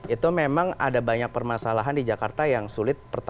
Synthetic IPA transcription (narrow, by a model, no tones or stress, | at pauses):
ʔit̪umemaŋa̰dabaɲak̚pərmasalaɦandid͡ʒakart̪ajaŋsulɪt̪̚pərt̪